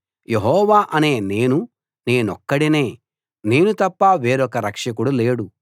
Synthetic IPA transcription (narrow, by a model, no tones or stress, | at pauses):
je̞ɦɔːʋaːʔɐneːne̞ːnu | ne̞ːnɔkːɐɽine̞ː | ne̞ːnut̪ɐpːaʋe̞ːɾɔkɐɾɐkʂɐkuɽuleːɽu